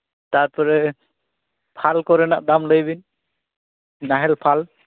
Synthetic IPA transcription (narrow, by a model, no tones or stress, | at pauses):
t̪aɹpɔɾɛ | pʰalkɔɾɛnaʔd̪amləjbin | naɦɛlpʰal